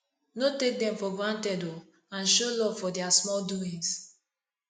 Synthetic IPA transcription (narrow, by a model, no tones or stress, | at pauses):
notek̚dɛ̃mfɔɡɹãntɛdo | ãnʃolɔv̥fɔdɛasmɔlduĩŋs